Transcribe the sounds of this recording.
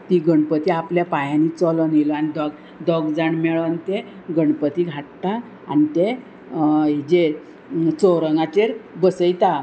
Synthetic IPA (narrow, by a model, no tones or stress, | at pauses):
t̪iɡəɳpət̪iapljapajãnit͡sɔlɔnelɔanid̪ɔɡ | d̪ɔɡd͡zaɳmɛɭənt̪e | ɡəɳpət̪iɡʱaʈt̪a | a̰nit̪e | ed͡ʑe | t͡sɔwɾəŋɡat͡ɕeɾbəsəjt̪a